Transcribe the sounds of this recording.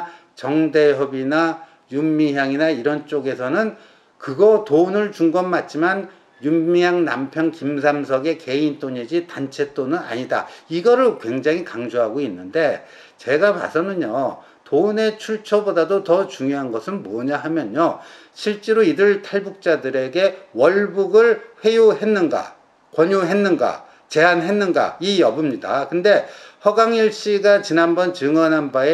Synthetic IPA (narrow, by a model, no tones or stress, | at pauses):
t͡ɕʌŋde̞ɦjʌbina | jumːiɦjaŋinaiɾʌnt͡ɕ͈oɡe̞sʰʌnɯn | kɯɡʌtonɯɭt͡ɕuŋɡʌmmat̚t͡ɕ͈iman | jumijaŋna̰mpʰjʌŋkimsʰams̬ʰʌɡe̞ke̞int͈oɲed͡ʑitant͡ɕʰe̞t͈onɯna̰ɲida̰iɡʌɾɯɭkwe̞ŋd͡ʑaŋɦikaŋd͡ʑoɦaɡoinːɯnde̞ | t͡ɕe̞ɡapa̰sʰʌnɯɲo | tone̞t͡ɕʰuɭt͡ɕʰʌbodadotʌt͡ɕuŋjoɦanɡʌsʰɯnmʌɲaɦamjʌɲo | ɕʰiɭt͡ɕ͈e̞ɾoidɯɭtʰaɭbuk̚t͡ɕ͈adɯɾe̞ɡe̞wʌɭbuɡɯɭɸwe̞joɦe̞nːɯnɡa̰ | kwʌɲuɦe̞nːɯnɡa̰ | t͡ɕe̞ɦanɦe̞nːɯnɡa̰ijʌbɯmɲida̰kɯnde̞hʌɡaŋiɭɕ͈iɡat͡ɕinanbʌnt͡ɕɯŋʌnanbae